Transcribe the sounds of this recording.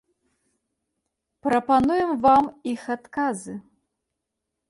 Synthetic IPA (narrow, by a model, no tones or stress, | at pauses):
pɾɐpanujɛmvamixat̪kazɨ